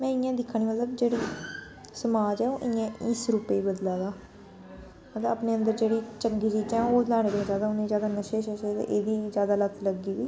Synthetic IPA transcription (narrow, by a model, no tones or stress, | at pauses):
mɛ̃ːɪjãːd̪ɪkʰːɳ̃iːmət̪ləbd͡ʒeːɽiː | səmaːd͡ʒɛːoːʔɪãːʔiːsɾupeiːbəd̪laːd̪aː | mət̪əpneːə̃nd̪əɾd͡ʒeːɽiːt͡ʃəŋɡiːt͡ʃiːd͡ʒɛ̃ːoːlaːɽ̃ebed͡ʒjaːd̪aːʊnẽːzjaːd̪aːnəʃeːʃəʃet̪ḛʔeːd̪iːzjaːd̪aːlət̪ʰːləɡiːʋiː